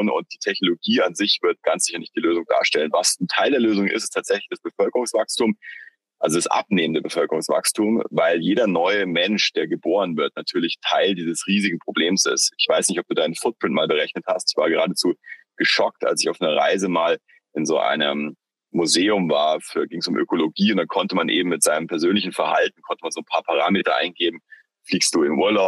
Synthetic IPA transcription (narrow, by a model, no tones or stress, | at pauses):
nʊ̰nt̚d̥iːtʰɛçnoloɡiːanzɪçv̥ɪɐt̚ɡ̥ansz̥ɪçɐnɪçtd̥iːløːzʊŋda̰ːɐʃtɛlənvasn̩tʰaɪldeːɐløːzʊŋʔɪ̰stɪstʰaːtz̥ɛçlɪçd̥asb̥əfœlkəʁʊŋsv̥akstum | ʔalzodasʔa̰p̚neːməndəbəfœlkəʁʊŋsv̥a̰kstʰumvaɪljeːɾɐnɔʏəmɛnʃd̥eːɐɡəboːʁənvɪɐtnatʰyːɐlɪçtʰaɪldiːzəsʁiːzɪɡŋ̩pʁ̥obleːmsɪ̰stɪçv̥aɪsnɪçtɔp̚d̥uːdaɪnənfʊt̚pʁ̥ɪntmaːlbəʁ̞ɛçnəthastɪ̥çv̥aːɐɡəʁaːdət͡suːɡ̥əʃɔk̚ta̰lsɪçaʊfnəɐʁa̰ɪzəmaːl | ʔɪnzoːʔa̰ɪnə̰mː | uzeːʊmvaːɐfyːɐɡɪŋsʊmʔø̰koloɡiːʊntd̥ankʰɔntəmanʔḛːbm̩mːɪtz̥aɪnəmpʰɛɐzøːnlɪçn̩fɛɐha̰ltn̩kʰɔntəmanzoːnpʰaːɐpʰaʁ̞aːmeːtɐʔa̰ɪnɡeːbm̩ | fliːkstd̥uːɪnʔuːɐlaʊ